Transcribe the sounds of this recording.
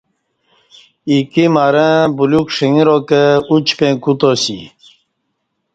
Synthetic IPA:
ikimaɾə̃bulukʂiŋiɾokəut͡ɕpẽkut̪osḭ

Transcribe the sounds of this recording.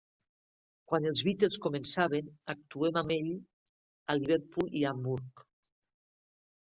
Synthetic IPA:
kwanelˠzβit̪elˠskomensaβenak̚t̪uemameʎ | aliβeɾpuliambuɾk

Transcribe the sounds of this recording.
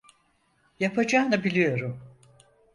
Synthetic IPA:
japʰad͡ʒaːnɯbilʲijo̞ɾum

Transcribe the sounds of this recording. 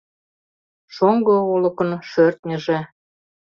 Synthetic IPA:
ʃoŋɡoulɤ̆kə̆nʃørt̪nʲə̆ʒĕ

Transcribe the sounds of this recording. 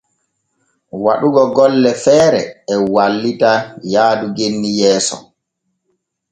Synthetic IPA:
waɗuɡɔɡɔlːɛfɛːɾɛɛwalːitajaːduɡenːijɛːsɔ̰

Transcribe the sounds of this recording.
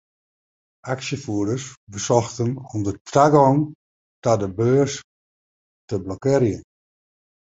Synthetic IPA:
ʔaksjəfuədəsbəsɔxtənɔmdətraɡɔŋ | tadəbøːs | təblɔkɪɾjən

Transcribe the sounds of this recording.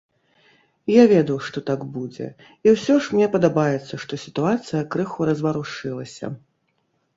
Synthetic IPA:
javʲɛd̪ɐwʂt̪ɔt̪aɡbud͡zʲɛ̰ | iwsʲɔʂmnʲɛpɐd̪abajɛt̪sːɐʂt̪ɔsʲi̥t̪uat̪sɨjɐkɾɨxuɾɐzvaɾuʂɨlˠɐsʲɐ̰

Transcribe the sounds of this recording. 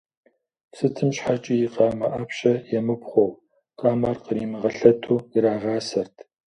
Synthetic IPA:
sɨtʰɨmɕħat͡ʃʼijiqɑːmɐʔapɕɐjɛmɨpχʷow | qʼɑːmaːrqəɾiːmɨʁɐɬɐtʰuːjiɾaːʁɑːsɐrtʰ

